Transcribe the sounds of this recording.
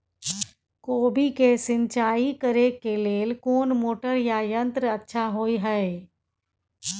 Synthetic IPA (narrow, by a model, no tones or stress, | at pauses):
koːbʱikesɪ̃nt͡ʃaːikəɾekeleːlkoːnmoːʈəɾjajə̃nt̪ɾəɐtːʃʰaɦoːiɦɛe